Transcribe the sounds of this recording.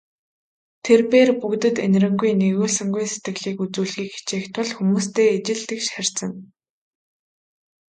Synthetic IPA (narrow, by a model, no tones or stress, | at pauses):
t̪ʰerpeːrpukt̪ɘ̆t̪en̆rɘ̆ŋɡujneɣoːɮsɘ̆ŋɡujset̪ɡɘ̆ɣɮiːkut͡suːɮɣiːkxi̥t͡ɕeːxt̪ʰʊ̆ɮxumuːst̪ʰeːet͡ɕɪ̆ɮt̪ɘ̆kʃær̥ʲt͡sə̆n